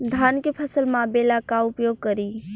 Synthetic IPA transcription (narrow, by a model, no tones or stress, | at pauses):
d̪ʱaːnkepʰəsəlmãbelakaʊpjoːɡ̚kəɾi